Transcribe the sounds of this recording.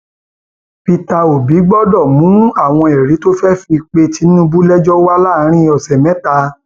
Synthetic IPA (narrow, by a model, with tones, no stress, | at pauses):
pi˧ta˧o˨bi˨˦ɡ͡bɔ˦dɔ˦˨mũ˨˦a˦˨w̃ɔ̃˧e˨ɾi˨˦to˦fɛ˦fi˧k͡pe˧ti˧˦nũ˦bu˦lɛ˦d͡ʒɔ˦wa˦la˦˨˦ɾ̃ĩ˦˧ɔ˨sɛ˨mɛ̃˨˦ta˧